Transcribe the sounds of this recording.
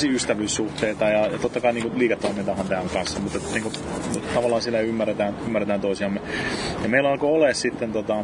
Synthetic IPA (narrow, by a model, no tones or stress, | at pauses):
siyst̪æʋyːssuht̪eːt̪ɑjɑjɑt̪ot̪ːɑkɑiniːŋkuliːket̪ːoːmint̪ɑhɑnt̪æːŋkɑnsːɑmut̪et̪niːŋkut̪ɑʋɑlːˑɑːnsilːæymːærːet̪æːnymːærːet̪æːnt̪oisiɑmːejɑmeilɑlkooleːssit̪ːent̪ot̪ɑ